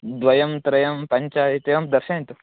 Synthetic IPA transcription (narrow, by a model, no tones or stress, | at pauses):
d̪ʋɐjɐmt̪ɾɐjɐmpɐɲt͡ʃaɦit̪ɐjɐmd̪ɐɾɕɐnt̪u